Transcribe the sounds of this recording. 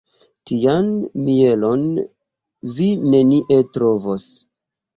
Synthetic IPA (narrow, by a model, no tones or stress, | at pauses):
tianmie̞lo̞n | vine̞niʔe̞tɾovos